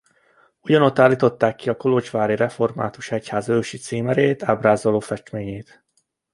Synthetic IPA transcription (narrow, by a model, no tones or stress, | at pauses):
uɟɒno̞t̪ːaːlːiːt̪o̞t̪ːaːkːiɒko̞lot͡ʃʋaːɾiɾɛfo̞rma̰ːt̪uʃɛchaːzøːʃit̪siːmɛɾeːt̪aːbraːzoloːfɛʃt̪meːɲeːt̪